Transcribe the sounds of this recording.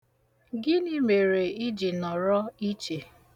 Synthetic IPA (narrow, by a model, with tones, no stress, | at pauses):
ɡɪ˦ni˦me˨ɾe˨i˦d͡ʒi˨nɔ˨ɾɔ˦i˦t͡ʃe˨